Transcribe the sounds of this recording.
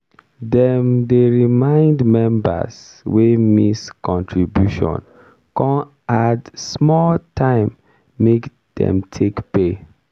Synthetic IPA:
dɛmdeɹimãɪ̃ndmɛ̃mba̰s | wemiskɔ̃ntʰɹibjuʃɔ̰̃n | kɔ̃n | adsmɔltʰãɪ̃mː | ek | dɛ̰̃mtʰekpe

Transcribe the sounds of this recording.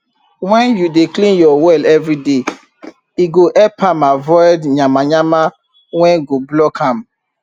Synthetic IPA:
wɛ̃njudeklĩnjɔwɛlɛvɹide | iɡoʔɛpʰãmavɔɪdɲãmaɲama | wɛ̃nɡoblɔkʰãm

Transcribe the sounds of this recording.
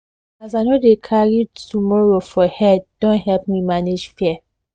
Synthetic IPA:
azaɪnodekʰaɹitumɔɹofɔhɛdõnɦɛlp̚mimaned͡ʒfɛ

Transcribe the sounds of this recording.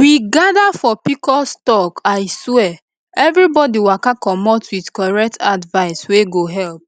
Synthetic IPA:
wiɡadafɔpikɔstɔkaɪswɛ | ɛvɾibɔdiwakakɔmɔtwidkɔɹɛk̚tʰadvaɪsweɡoɦɛlp̚

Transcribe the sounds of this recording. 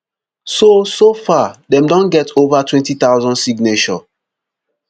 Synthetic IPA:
sosofadɛ̃mdɔ̃nɡɛtovatʰwɛ̃ntit̪awzɔ̃nsiɡnet͡ʃɔ

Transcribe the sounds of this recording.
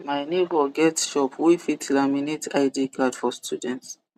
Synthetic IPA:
majnibɔɡɛtʃɔpwifitʰlaminitʰaɪdikadfɔstjudɛ̃nts

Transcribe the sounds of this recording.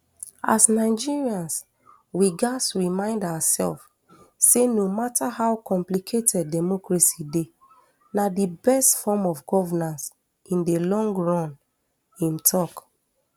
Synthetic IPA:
a̰snaɪd͡ʒiɹiãns | wiɡasɹimãɪ̃ndawasɛ̰lf | senomatahaʊkʰɔ̃mplikʰetʰɛd̚ːɛmɔkɹaside | nadibɛstfɔmɔvɡɔvɛnãns | ĩndelɔ̃ŋɡɹɔ̃n | ĩmtʰɔk

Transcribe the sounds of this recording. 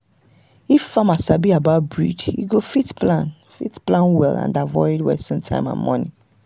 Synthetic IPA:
iffãmasabiabaʊt̚bɹḭdḭɡofitplãn | fḭtplãnwɛlã̰ndavɔɪdwɛ̰sĩntʰã̰ɪ̃mã̰nmɔnḭ

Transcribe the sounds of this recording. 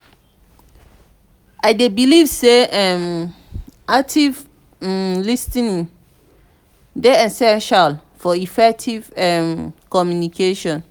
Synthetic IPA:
aɪdebilivseɛ̃m | ak̚tʰiv | listĩn | deɛsɛ̃nʃal | fɔifɛk̚tʰivɛ̃mkɔmjunikʰeʃɔ̃n

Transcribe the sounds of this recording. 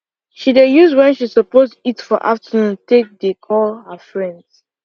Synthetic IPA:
ʃidejuzwɛ̃nʃisəpostitfɔʔa̰ftənũntʰek̚dekʰɔlhəfɹɛ̃nds

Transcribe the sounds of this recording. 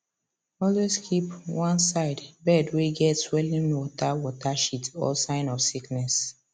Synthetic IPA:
ɔlweskʰipwãnsaɪdbɛdweɡɛtswɛlĩnwɔtawɔtaʃitɔ̰lsãɪ̃nɔfsiknɛs

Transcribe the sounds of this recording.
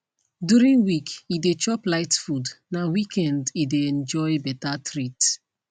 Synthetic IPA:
djuɹĩnwikidet͡ʃɔplaɪtfudnawikʰɛ̃ndideɛ̃nd͡ʒɔɪbɛtatʰɹit

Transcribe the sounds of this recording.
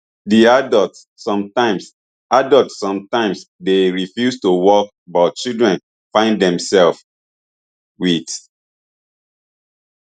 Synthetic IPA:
diadɔltː | ɔ̃mtãɪms | adɔltssɔ̃mtãɪ̃ms | deɹifjustuwɔk̚ | bɔt͡ʃildɹɛ̃n | fãɪ̃ndɛ̃msɛlf | wit

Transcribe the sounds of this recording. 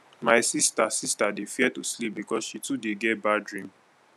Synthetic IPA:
maɪsista̰sistadefiɛtuslip̚bikɔsʃitudeɡɛt̚badɹĩm

